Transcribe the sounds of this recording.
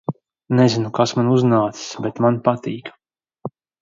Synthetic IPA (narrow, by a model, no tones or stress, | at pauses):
nɛzinukasmanuznaːt̪si̥sbɛt̪manpat̪iːk